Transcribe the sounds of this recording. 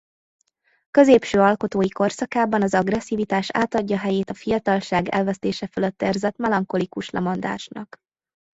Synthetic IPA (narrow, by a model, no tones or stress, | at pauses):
kø̞zeːpʃøːɒlko̞t̪oːjiko̞rsɒkaːbɒnɒzɒɡrɛsːivit̪aːʃa̰ːt̪ɒɟːɒɦɛjeːt̪ɒfijɒt̪ɒlʃaːɡɛ̰lvɛst̪eːʃɛføløt̪ːɛrzɛt̪mɛlɒŋko̞likuʃlɛ̰mɒnd̪a̰ːʃnɒk